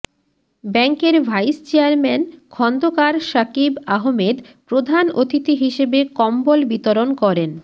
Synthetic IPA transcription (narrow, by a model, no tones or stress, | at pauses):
bɛŋkeɾbʱajst͡ɕeaɾmɛnkʰɔnd̪okaɾʃakibaɦomed̪ | pɾod̪ʱanot̪it̪iɦiʃebekɔmbolbit̪oɾonkɔɾen